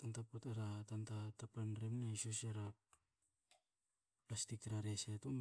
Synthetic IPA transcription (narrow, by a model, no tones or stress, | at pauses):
tantapotaɾatantatapanɾemnasoseɾa | plastik̚tɾaɾesetom